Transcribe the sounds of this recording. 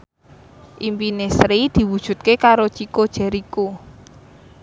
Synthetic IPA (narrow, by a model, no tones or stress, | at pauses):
ʔimpinesɾid̪̥i̤wud̥ʒ̥ṳt̪̚kekaɾot͡ʃikod̥ʒ̥a̤ɾiku